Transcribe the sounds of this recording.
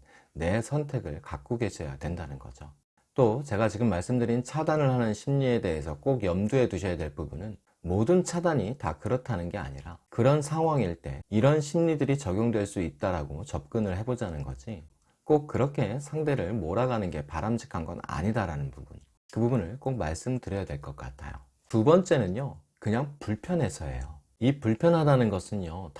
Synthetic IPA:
ne̞sʰʌntʰe̞ɡɯɭkak͈uɡe̞ɕʰʌja̰dwe̞ndanɯnɡʌ̰d͡ʑo | t͈ot͡ɕe̞ɡat͡ɕiɡɯmːaɭs͈ɯmdɯɾint͡ɕʰadanɯɭhanɯnɕʰimɲie̞de̞ɦesʰʌk͈oɡjʌmdue̞duɕʰʌjadwe̞ɭpubunɯn | modɯnt͡ɕʰadaɲitakɯɾʌtʰanɯnɡe̞a̰ɲiɾakɯɾʌnsʰaŋɦwaŋiɭt͈e̞̰iɾʌnɕʰimɲidɯɾit͡ɕʌɡʲjoŋdwe̞ɭs͈uit̚t͈aɾaɡot͡ɕʌp̚k͈ɯnɯɭɦe̞bod͡ʑanɯnɡʌd͡ʑi | k͈ok̚k͈ɯɾʌkʰe̞sʰaŋde̞ɾɯɭmoɾaɡanɯnɡe̞paɾamd͡ʑʰi̥kʰanɡʌ̰na̰ɲidaɾanɯnpubun | kkɯbubunɯɭk͈ok̚maɭs͈ɯmdɯɾjʌjadwe̞ɭk͈ʌk͈a̰tʰa̰jo̰ | tubʌnt͡ɕ͈e̞nɯnjo | kɯɲaŋpuɭpʰjʌnɦe̞sʰʌḛjo | ipuɭpʰjʌnɦadanɯnɡʌsʰɯnjot

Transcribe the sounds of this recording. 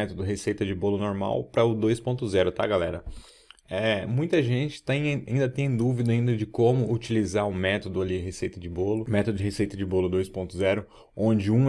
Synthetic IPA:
ɛt̪od̪ʊɦesejt̪ɐd͡ʒɪbolʊnoɾma̰wpɾɐʊd̪ojspõnt̪ʊzɛɾʊt̪a̰ɡalɛɾɐ | ɛmũj̃t̪ɐʒẽnt͡ʃɪ̥t̪ẽj̃aĩnd̪ɐt̪ẽj̃d̪uvid̪ɐaĩnd̪ɐd͡ʒɪkõmʊut͡ʃilizaɾʊ̃mɛt̪od̪ʊaliɦesejt̪ɐd͡ʒɪbolʊmɛt̪od̪ʊd͡ʒɪɦesejt̪ɐd͡ʒɪbolʊd̪ojspõnt̪ʊzɛɾʊ | õd͡ʒɪũ

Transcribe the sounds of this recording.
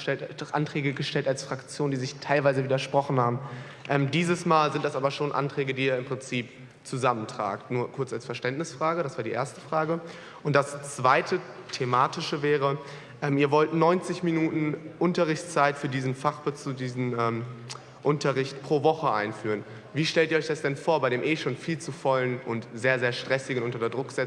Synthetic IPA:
ɛltʔa̰ntʁ̥ɛːɡəɡəʃtɛltalsfʁ̥akt͡sjoːndiːzɪçtʰaɪlvaɪzəviːdɐʃpʁ̥ɔχn̩haːbm̩ | ʔɛːmdiːzəsmaːlzɪntd̥asʔaːbɐʃoːnʔa̰ntʁ̥ɛːɡədiːɛːɐɪmpʁ̥ɪnt͡siːp̚ | t͡suzaməntʁ̥a̰ːktnuːɐkʰʊɐt͡salsfɛɐʃtɛntnɪsfʁ̥aːɡəɾasv̥aːɐdiːʔḛːɐstə̥fʁ̥aːɡə | ʔʊntd̥ast͡sv̥aɪtʰətʰemaːtɪʃəvɛːʁə | ʔɛːmiːɐvɔltnɔʏnt͡sɪçminuːtn̩ʔʊntɐʁɪçt͡st͡saɪtfyːɐdiːzn̩faχb̥ət͡sudiːzn̩ɛːm | ʔʊntʰɐʁɪçtpʁ̥oːvɔχəʔa̰ɪnfyːʁən | viːʃtɛltʔiːɐɔʏçd̥asd̥ɛnfoːɐbaɪɾeːmʔeːʃoːnfiːlt͡sufɔlənʔʊntz̥eːɐzeːɐʃtʁ̥ɛsɪɡən̩ʔʊntɐtɐdʁʊkz̥ɛ

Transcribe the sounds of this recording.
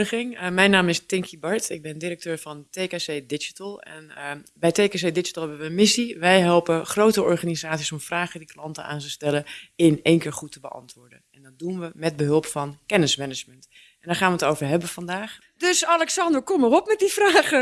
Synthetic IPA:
əxɪŋmɛjnːaːmɪstɪŋkʰibɑɹtɪɡ̚bɪndirək̚tøːɹfɔnteːkaseːdɪd͡ʒitəlˠɛ̰nbɛjteːkas̬ejdɪd͡ʒi̥tlˠɦɛbəʋəənmɪsiʋɛjɦɛlˠpəχrowtəɔɹχaːnizaːtsisɔmfraːχədiklɑntəa̰ːntəstɛləɪneːnkɪːɹχutəbəʔɑ̰ntʋʊːɹdənɛndɔt̚dunʋəmɛt̚bəɦølˠpfɔnkɛnɪsmɛnɪd͡ʒmənt | ʔɛndaːχaːnʋətowvərɦɛbəfɔndaːx | døsalɛksɑndəɹkɔmərɔpmɛt̚difraːχə

